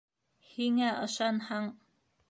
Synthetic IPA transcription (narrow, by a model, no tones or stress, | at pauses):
hiŋæʔɤ̆ʃɑnhɑɴ